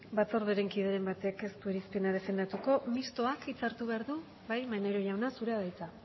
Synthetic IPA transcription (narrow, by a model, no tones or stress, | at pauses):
bat͡so̞ɾðeɾe̞ŋkiðeɾe̞mbat̪e̞ke̞st̪ue̞ɾispenaðe̞fe̞nd̪at̪uko̞mist̪o̞akit͡saɾt̪uβe̞aɾðu | βajmaneɾoʝawnasuɾe̞aðajt͡sa